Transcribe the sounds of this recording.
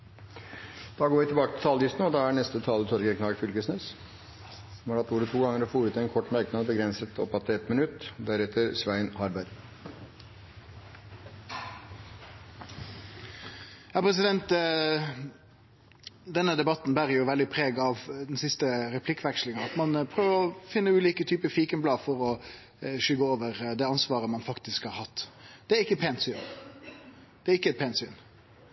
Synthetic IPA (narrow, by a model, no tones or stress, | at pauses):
d̪̥ɑːɡoːɾʋɪt̪ʰɪbɑːkət̪ʰɪlt̪ʰɑld̪ɪst̪n̩ɔd̪ɑːænɛst̪ət̪ʰɑːlət̪ʰɔɾɡɛknɑːɾfʏlkəsneːs | sɔmhɑɾɑt̪uːɾət̪ʰuːɡɑŋːəɾɔfoːɾʉːt̪ɪɛɪnkʰɔʈːmæɾknəbəɡɾɛnsət̪ʰɔ̰pːɑt̪ːɛt̪mɪnʉt̪d̪æɾɛt̪əɾsʋæɪnhɑɾbæɾ | jɑːpʰɾɛs̬ɪd̪ɛnt̪ | d̪ɛnːəd̪ɛbɑt̪ːn̩bæːɾəjʊʋɛld̪ɪpʰɾeːɡɑʋd̪ɛnsɪst̪əɾɛpʰlɪkːʋɛkʂlɪŋəɑt̪mɑnpʰɾøːʋəɾɔfɪnːəʉːliːkət̪ʰyːpəfiːkənblɑːfɔɾɔ | ʃʏɡəoːʋəɾd̪ɛːɑnsʋɑːʁəmɑnfɑkt̪ɪskhɑːɾhɑt̪ːd̪̥ɛæɾɪkːətpʰeːnt̪syːn | d̪̥ɛæɾɪkːəɛt̪̚pʰeːnsyːn